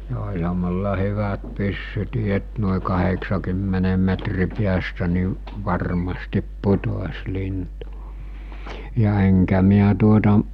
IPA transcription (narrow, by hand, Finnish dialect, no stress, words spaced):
jɑ olʲhɑ mulːɑ hyʋæt pysːytiː et noˑe kɑheksɑkymːenem metri piæstæ ni ʋɑrmɑstip putos lintu jɑ eŋkæ miæ tuotɑ